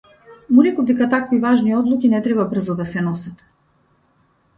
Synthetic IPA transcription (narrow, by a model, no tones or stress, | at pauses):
munikɔvd̪ɛkat̪akvivaʒniɔd̪lˠukʲinɛt̪ɾɛβabr̩zɔd̪asɛnɔsat̪